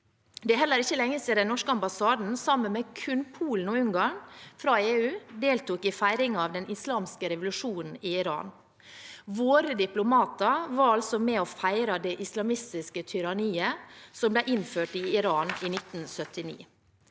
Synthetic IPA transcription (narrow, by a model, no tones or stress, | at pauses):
d̪ɛɦɛlːəɾɪçːəlɛŋːəseːd̪ɛnnɔʂkəɑmbɑsɑːd̪n̩sɑmːənmɛkʰʉnpʰuːln̩ɔʉŋɡɑɳfɾɑeːʉːd̪eːlt̪uːkɪfæɪɾɪŋɑːʋd̪ɛnɪslɑːmskəɾɛʋʊlʉʂuːnn̩ɪɪɾɑ̰ːn | ʋoːɾəd̪ɪplʊmɑːt̪əʋɑɾɑlsɔmɛɔfæɪɾɑd̪ɛʔɪslɑmɪst̪ɪskət̪ʰʏɾɑniːəsɔmblɛʔɪnføːʈɪɪɾɑːnɪnɪt̪n̩sœt̪ɪnḭː